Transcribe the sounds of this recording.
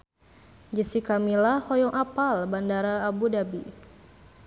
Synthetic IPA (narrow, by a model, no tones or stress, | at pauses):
d͡ʒəsikamilahɔjɔŋʔapalbandaɾaːbudabi